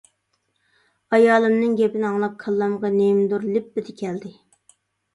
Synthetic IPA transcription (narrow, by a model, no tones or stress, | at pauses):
ɑjɑːlˠɨmnɨŋɡʲɛpɪnɪɑŋlˠɑqʰːəlˠːɑmʁɑnemd̪uɾlɪp̚ːɪd̪ɪkʲʰɛld̪ɪ